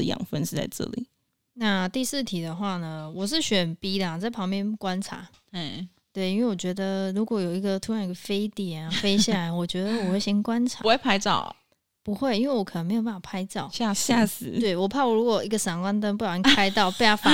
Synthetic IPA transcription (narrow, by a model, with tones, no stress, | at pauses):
jɑ̰˨˩ŋfə˥˧nʂɻ̩˥˧t͡sa̰˥˧ɪʈ͡ʂɤ̰˥˩lḭ˨˩˦ | na˥˧t̪i˥˧sɹ̩˥˩t̪ʰi˨˩d̪ə˩xwa˥˩nə˩wɔ˨˩ʂ̬ɻ̩˥˩ɕɥɛ˨˩npi˥d̪ə˨a˨˩t͡sa˥˩ɪpʰɑ˧˥ŋpjɛ˥˧nkwa˦˥nʈ͡ʂʰa̰˧˥˩ | t̪we˥˩ɪi˥nwe˥˩wɔ˨˩t͡ɕɥɛ˧˥d̪ə˧ɻu˧˥kwɔ˨˧˥jo˨˩ʊi˧˥ɡə˨t̪ʰu˥ɻɑ˧˥ni˧ɡə˨˩fe˥ɪt̪jɛ˨˩n˧˥˩fe˥ɪɕja˥˩la˧˦ɪwɔ˨˩t͡ɕɥɛ˧˥d̪ə˧wɔ˨˩xwe˥˩ɕi˧˥ŋkwa˦˥nʈ͡ʂʰa̰˨˥˧e˥˩pʰa˥ɪt͡sɑ̰˥˩ʊ | pu˧˦xwe˥˩ɪi˥nwe˥˩ɪwɔ˨˦kʰə˨˩nə˧˦ŋme˧˥jo˨˩pa˥˩a˨pʰa˧˥ɪt͡sɑ˥˩˨ʊa˥˧ja˥˧s̩˧˩t̪we˥˩ɪwɔ˨˩pʰa˥˩wɔ˨˩ɻu˧˥kwɔ˨˩i˧˥ɡə˨sa˨˩ŋkwa˥nt̪̬ə˥npu˥˩jkʰa˥ɪt̪ɑ˥˩ʊpe˥˧˩jɑ˥˩fa˥